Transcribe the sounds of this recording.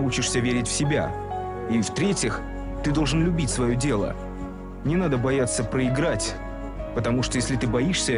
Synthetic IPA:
ut͡ɕɪʂsʲəvʲeɾʲɪtʲfsʲɪbʲa̰ | ift̪ɾʲetʲɪx | t̪ɨd̪o̞lˠʐɨnlʲʊbʲitʲsvɐjodʲe̞lˠə̰ | nʲɪnad̪əbɐjat̪sːəpɾəɪɡɾatʲ | pət̪ɐmuʂt̪ojesʲlʲɪt̪ɨbɐiʂsʲə

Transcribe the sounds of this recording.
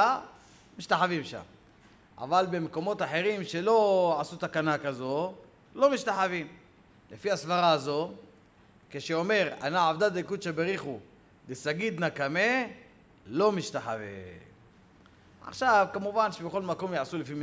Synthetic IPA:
miʃt̪aħavimʃa̰m | a̰valbe̞meko̞mo̞t̪aħe̞ʁimʃe̞lo̞ʕasut̪akanakazo̞ | lo̞miʃt̪aħavim | lefiasvaʁaːzo̞ | keʃeome̞ʁa̰naʕavd̪ad̪ikud̪ʃe̞beʁiχu | desaɡid̪nakame | lo̞miʃt̪aħavḛ | a̰χʃavkamuvanʃebeχo̞lmako̞mjaʕsulefi

